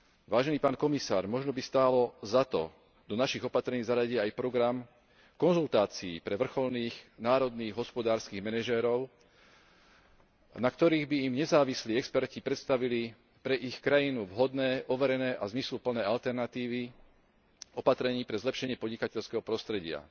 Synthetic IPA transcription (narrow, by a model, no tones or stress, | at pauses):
ʋaːʒɛniːpaːnkɔmisaːɾmɔʒnɔbist̪aːlɔzat̪ɔ̰ | d̪ɔnaʃiɣɔpat̪ɾɛɲiːzaɾaɟiɛajpɾɔɡɾam | kɔnzult̪aːt͡siḭpɾɛʋr̩xɔlniːɣnaːɾɔd̪niːɣɦɔspɔd̪aːɾskiːɣmɛnɛʒɛːɾɔʊ | nakt̪ɔɾiːɣbiːmɲɛzaːʋisliːɛkspɛɾcipɾɛt̪st̪aʋili | pɾɛʔixkɾajinuʋɦɔd̪nɛːʔɔʋɛɾɛnɛːʔazmislupl̩nɛːalt̪ɛɾnat̪iːʋi | ɔpat̪ɾɛɲiːpɾɛzlɛpʃɛɲɪɛpɔdɲikacɛʎskɛːɦɔpɾɔst̪ɾɛɟɪa̰